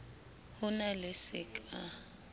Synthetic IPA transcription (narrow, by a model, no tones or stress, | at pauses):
hʊnalɪsɪkʼa